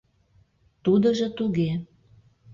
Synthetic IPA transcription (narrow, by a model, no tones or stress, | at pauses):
t̪ud̪ə̆ʒɤ̆t̪uɣe